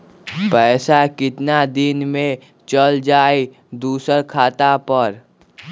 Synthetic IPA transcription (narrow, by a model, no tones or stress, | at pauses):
pɛːsakɪt̪nad̪ɪnmẽ | t͡ʃəld͡ʒaːe | d̪uːsəɾkʰaːt̪apəɾ